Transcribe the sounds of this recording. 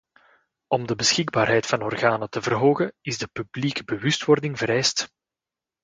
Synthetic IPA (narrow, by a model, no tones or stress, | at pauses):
ɔmdəbəsxɪɡ̚baːɾrɦɛjtfɑnɔrɣaːnətəvərɦoːɣənɪzdəpyblikəbəwʏstwɔrdɪŋvəɾɛjst